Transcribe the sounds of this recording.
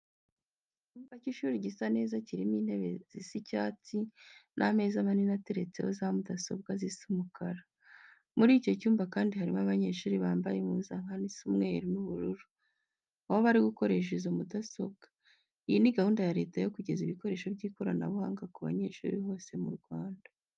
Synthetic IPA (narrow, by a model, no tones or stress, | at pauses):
cuːmbaciʃuːɾiɟisane̞ːzaciɾimiːnhe̞βe̞z̥isicaːt͡sinʔa̰me̞ːzaβaninate̞ɾe̞t͡se̞̰hozamudaso̞̰b̚ɡazisimukʰaɾa | muɾiːco̞cuːmbakaːndihaɾimaβaɲe̞ʃuːɾiβaːmbajemuuzaŋhanisumŋeɾimuβuɾuɾu | ahoβaɾiɡuko̞ɾe̞ʃ̬ezumudaso̞̰bɡ̥ḁ | ijiniɡahuːndajaɾe̞̰ːtajo̞kuɟe̞ziβiko̞ɾe̞ːʃo̞bɟiːko̞ɾana̰βuhaːŋɡakuβa̰ɲe̞ʃṵːɾiho̞ːse̞mṵɾɡwaːnda